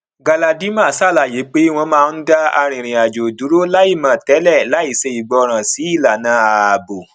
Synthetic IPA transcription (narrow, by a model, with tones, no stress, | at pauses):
ɡa˧la˧di˨˦mã˦˨sa˦˨la˨je˨˦k͡pe˦w̃ɔ̃˧mãː˦˧n̩˦da˦a˧ɾ̃ĩ˨ɾ̃ĩ˨a˨d͡ʒo˨du˨˦ɾo˦la˦i˦˨mã˨tɛ˨˦lɛ˦˨la˨˦i˦˨se˧i˨ɡ͡bɔ˧ɾ̃ã˨si˨˦i˦˨la˨nãː˨˦a˨bo˨